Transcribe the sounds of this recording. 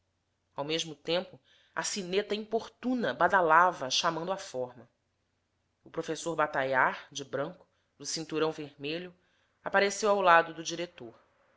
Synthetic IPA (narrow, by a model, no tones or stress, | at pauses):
awmeʒmʊt̪ẽmpʊ | ɐ̰sinet̪ɐĩpoɾt̪ũnɐbad̪alavɐʃamɐ̃nd̪ʊafɔhmɐ | ʊpɾofesoɾbat̪ajaɾd͡ʒɪbɾɐ̃ŋkʊ̥ | d̪ʊsĩnt̪uɾɐ̃w̃veɾmeʎʊ | apaɾesewawlad̪ʊd̪ʊd͡ʒiɾet̪oɾ